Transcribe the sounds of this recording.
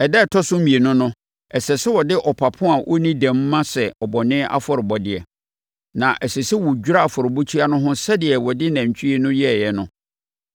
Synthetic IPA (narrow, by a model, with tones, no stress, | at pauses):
ɛ˨dɛ˦˨tʰɔ˦sʊ˦m̩˦mĩ˨e˨nʊ̃˦nʊ̃˦ | ɛ˨sɛ˨sɪ˦wɔ˨dɪ˦ʔɔ˨pʰa˨pʰʊ̃˦a˨ʔɔ̰˦nĩ˦dæ̃˨m̩ː˦ã˦sɛ˨ɔ˨bɔ˨nɪ̃˦ʔa̰˦fɔ˨ɾɪ˨bɔ˨dɪ˨ɛ˨ | nã˨ʔɛ˨sɛ˨sɪ˦wʊ˨d͡ʑᶣu˦ɾa˦a˨fɔ˨ɾɪ˨bu˦t͡ɕʰi˦a˦nʊ̃˦ɦʊ̃˦sɛ˦dɪ˨ɛ˨wɔ˨dɪ˦nã˨ɲ˨t͡ɕʰᶣi˦i˦nʊ̃˦jɛ˦˨jɛ˦nʊ̰̃˨